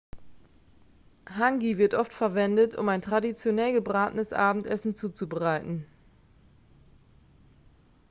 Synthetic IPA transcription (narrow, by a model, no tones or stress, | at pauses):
haŋɡivɪɐtʔɔftfɛɐvɛndətʰʊ̰maɪntʁ̥adit͡sjonɛlɡəbʁaːtənəsʔa̰ːbm̩tɛsn̩t͡suːt͡subəʁaɪtn̩